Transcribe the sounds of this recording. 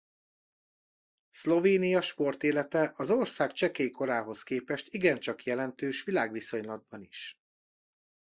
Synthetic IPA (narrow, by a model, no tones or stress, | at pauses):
slo̞veːnijɒʃpo̞rt̪eːlɛt̪ɛʔɒzorsaːkt͡ʃɛkeːko̞ɾaːɦo̞skeːpɛʃt̪iɡɛnt͡ʃɒkjɛlɛnt̪øːʃʋilaːɡʋiso̞ɲlɒd̪̚bɒniʃ